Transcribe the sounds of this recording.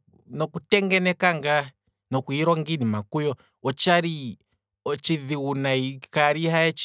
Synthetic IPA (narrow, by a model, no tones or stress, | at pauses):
nɔkutɛŋɡɛnɛkaŋɡa | nɔkuiɾɔŋɡinimakujɔ | ɔt͡ʃaɾi | ɔt͡ʃiðiwunaikaɾihaɛt͡ʃ